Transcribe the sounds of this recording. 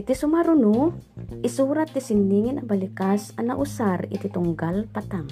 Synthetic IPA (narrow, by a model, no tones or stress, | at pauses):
it̪isumaɾunuisuɾat̪ːisinːiŋinabalikasanaʔusarḭt̪it̪uŋɡalpat̪aŋ